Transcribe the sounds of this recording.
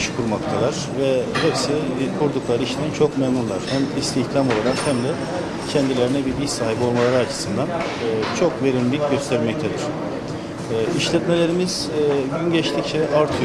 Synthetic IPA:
ʃkʰuɾmakt̪ʰalˠaɾ̥vɛhɛpsikʰuɾd̪uklˠaɾɯiʃnint͡ʃʰo̞kmɛmnunlˠaɾ̥hæmist̪ʰiçt̪ʰamo̞lˠaɾakhæmd̪ɛ | cʰɛnd̪ilʲe̞ɾinɛbibisaːɦibio̞lˠmalˠaɾɯat͡ʃʰɯ̥sɯnd̪anː | t͡ʃʰo̞kve̞ɾind̪ʲicɟø̞st̪ʰɛɾmɛc̚t̪ʰed̪ɪɾ̥ | iʃlʲɛt̪me̞lʲe̞ɾimiz̥ | ɟynɟɛt͡ʃt̪ʰict͡ʃʰɛʔaɾt̪ʰɯj

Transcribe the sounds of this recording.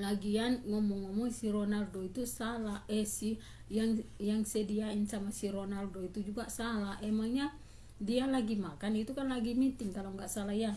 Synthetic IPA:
laɡianŋɔmɔŋːɔmɔŋsiɾɔnaldɔit̪usalaʔɛsi | jaŋjaŋsɛdiainsamasiɾɔnaldɔit̪ud͡ʒuɡasalaʔɛmaŋɲa | dialaɡimakanit̪ukanlaɡimit̪iŋkalɔŋɡaʔsalaija

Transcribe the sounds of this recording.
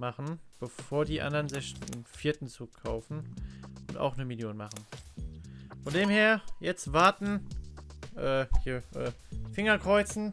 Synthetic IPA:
maχn̩b̥əfoːɐdiːʔa̰ndɐʁənzɪçfiːɐtn̩t͡suːkʰaʊfn̩ʔʊnta̰ʊxnəmɪljoːnmaχn̩ | fɔndeːmheːɐjɛt͡stv̥aɐtn̩ | ʔɛːhiːɐʔɛː | fɪŋɐkʁ̥ɔʏt͡sn̩

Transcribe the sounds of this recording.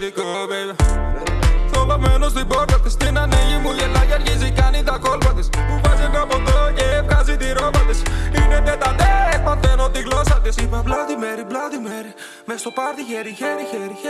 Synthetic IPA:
ðikove | θolomenozðiboɾt̪ɐt̪ist̪inɐniʝimuʝelɐʝɐɾʝizikɐnind̪ɐkolpɐt̪isuvɐzimepod̪ocefkɐzit̪iɾovɐt̪isinenet̪ɐd̪emɐnt̪enot̪iɣlosɐt̪isipɐblɐðimeɾiblɐðimeɾi | mest̪opɐɾðiçeɾiçeɾiçeɾi

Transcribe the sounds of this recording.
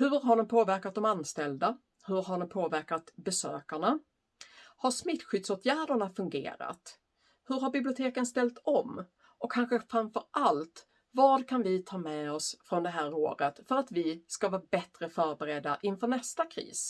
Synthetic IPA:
hɵɾɦaɖɛmpʰoːvæɾkat̪̚d̪ɔmanst̪ɛld̪a | hɵɾɦaɖɔmpʰoːvæɾkat̪bɛsø̰ːkaɳa | haʂmɪt̪ːɧʏd̪soːt̪ʰjæːɖəɳafɵŋɡḛːɾa̰t̪ | hɵɾɦaɾbɪblɪʊt̪ʰeːkənst̪ɛlt̪ɔm | ɔkʰːanɧəfɾamfœɾalt̪ | vɑːd̪kʰanvɪt̪ʰɑːmɛɔsfɾɔnd̪ɛɦæːɾo̰ːɾət̪fœɾat̪vɪskavɑːbɛt̪ɾəfœːɾbɛɾɛd̪ːaʔɪnfœːɳɛst̪akʰɾḭːs

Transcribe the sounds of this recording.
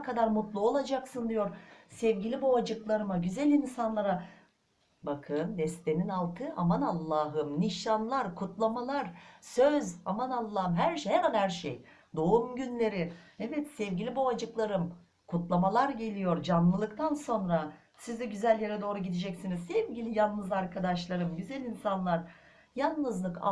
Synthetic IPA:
kʰad̪aɾmut̪lˠuolˠad͡ʒaksɯnd̪ijo̞ɾsɛvɟilʲibuad͡ʒɯklˠaɾɯmaɟyzælʲinsanlˠaɾa | bakʰɯnd̪ɛst̪ʰeninalˠt̪ʰɯʔa̰manalˠːaːɦɯmniʃanlˠaɾkʰut̪lˠamalˠaɾsøzamanalˠːaːɦɯmɦæɾʃhemænhæɾʃḛj | d̪o̞umɟynlʲe̞ɾɪɛvɛt̪sɛvɟilʲiboad͡ʒɯklˠaɾɯm | kʰut̪lˠamalˠaɾɟe̞lʲijo̞ɾd͡ʒanlˠɯlˠɯkt̪ʰanso̞nɾa | sizd̪ɛɟyzælʲjeɾɛd̪o̞ːɾuɟid̪ed͡ʒɛcsinizsɛvɟilʲijannɯzaɾkʰad̪aʃlˠaɾɯmɟyzælʲinsanlˠaɾ | janˠːɯzlˠɯka̰

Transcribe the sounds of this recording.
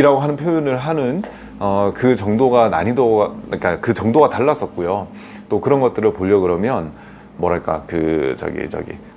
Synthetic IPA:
iɾaɡoɦanɯnpʰjojunɯɭɦanɯn | ʌkɯt͡ɕʌŋdoɡana̰ɲidʌk͈akɯt͡ɕʌŋdoɡataɭːas͈ʌt̚k͈ojo | t͈okɯɾʌnɡʌt̚t͈ɯɾɯɭpoʎːjʌɡɯɾʌmjʌn | mwʌɾaɭk͈a̰kɯ̰t͡ɕʌ̰ɡḭt͡ɕʌ̰ɡḭ

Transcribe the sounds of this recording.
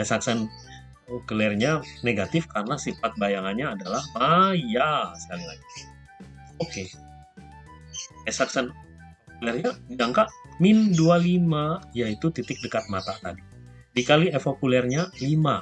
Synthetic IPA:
ɛsaksɛn | kəlɛrɲaneɡat̪ɪfkarənasifat̪̚bajaŋanɲaːdalahmajasəkaɾila̰ɡi | oke | ɛsaksɛn | kulɛrɲadiaŋkaʔmɪndualimajait̪ut̪it̪ɪk̚dəkat̪̚mat̪at̪adi | dikaliɛfokulɛrɲalima

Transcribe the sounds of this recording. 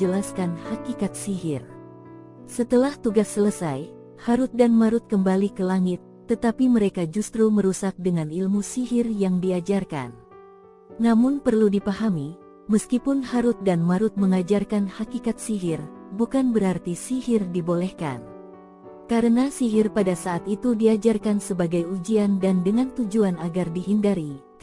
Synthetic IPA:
d͡ʒəlaskanhakikat̪̚siɦɪr | sət̪əlaht̪uɡasːələsaj | haɾut̪̚danmaɾʊt̪̚kəmbalikəlaŋɪt̪ːət̪apiməɾekad͡ʒust̪ɾuməɾusak̚dəŋanilmusiɦɪrjaŋdiad͡ʒarka̰n | namʊnpərludipahami | məskipʊnhaɾʊt̪̚danmaɾʊt̪̚məŋad͡ʒarkanhakikat̪̚siɦɪrbukanbəɾart̪isihɪrdibolɛhka̰n | kaɾənasiɦɪrpadasaːt̪it̪udiad͡ʒarkansəbaɡajud͡ʒiandandəŋant̪ud͡ʒuanaɡardiɦindaɾi

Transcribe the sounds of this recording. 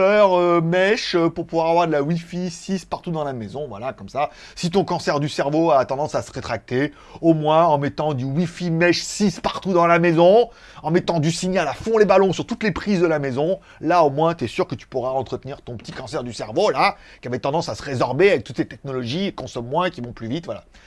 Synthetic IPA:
œʁømɛʃøpuʁpuvwaʁavwaʁd̪əlawifisispaʁt̪ud̪ɑ̃lamezɔ̃vwa̰lakɔmsa | sit̪̬ɔ̃kɑ̃sɛʁd̪ysɛʁvoat̪ɑ̃d̪ɑ̃sasəʁet̪χak̚t̪e | omwɛ̃ɑ̃mɛt̪ɑ̃d̪ywifimɛʃsispaʁt̪ud̪ɑ̃lamezɔ̃ | ɑ̃mɛt̪ɑ̃d̪ysiɲalafɔ̃lebalɔ̃syʁt̪ut̪lepχizd̪əlamezɔ̃ | laomwɛ̃t̪yɛsyʁkət̪y̥puʁaɑ̃t̪χət̪niʁt̪ɔ̃pə̥t̪ikɑ̃sɛʁd̪ysɛʁvola | kʲiavɛt̪ɑ̃d̪ɑ̃sasəʁezɔʁbeavɛk̚t̪u̥t̪set̪ɛknɔlɔʒiekɔ̃sɔmːwɛ̃kʲivɔ̃plyvit̪vwala̰

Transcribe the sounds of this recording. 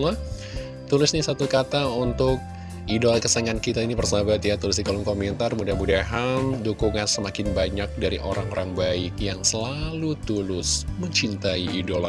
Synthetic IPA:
la | t̪ulɪsɲasat̪ukat̪aunt̪ʊk̚ | idolakəsaŋankit̪ainipərsaabat̪jat̪ulɪsdikalʊŋkomɛnt̪armudahmudaɦandukuŋansəmakɪnbaɲak̚daɾḭʔo̰ɾaŋoɾaŋbaɪkjaŋsəlalut̪ulʊsməɲt͡ʃint̪aiidola

